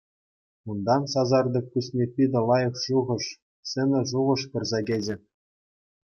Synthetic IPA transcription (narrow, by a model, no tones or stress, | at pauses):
und̪ɑnsɑzɑrd̪ɤ̆kkːusʲnʲepʲid̪ʲɘ̆lˠɑjɤ̆χʂuʁɤ̆ʂ | sʲɘ̆nʲɘ̆ʐuʁɤ̆ʂpɤ̆rzɑɡʲed͡ʑɘ̆